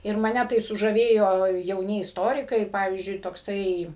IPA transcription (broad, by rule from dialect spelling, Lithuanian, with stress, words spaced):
ɪr mɐˈnʲɛ tɐɪ sʊʒɐˈʋʲeːjoː jɛʊˈnʲɪ ɪsˈtoːrʲɪkɐɪ ˈpɑːʋʲiːzʲd͡ʒʲʊɪ toːkˈsɐɪ